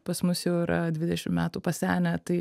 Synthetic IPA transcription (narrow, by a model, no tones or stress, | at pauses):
pɐsmʊsjɛʊɪɾɐ̰d̪ʲʋʲɪd̪ʲɛʃʲɪmmʲæːt̪uːpɐsʲæːnʲɛt̪ɐɪ